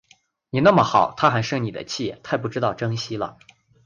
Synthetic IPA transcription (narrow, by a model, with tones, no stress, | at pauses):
ni˨˩na˥˩mə˩xɑ˨˩˦ʊt̪ʰa˥xa˧˥ɪʂɤ˥˩ni˨˩d̪ə̰˦t͡ɕʰi˥˩t̪ʰa˥˧ɪpu˥˩ʈ͡ʂɻ̩˥t̪ɑ˥˩ʊʈ͡ʂɤ˥ŋɕi˥lə̰˨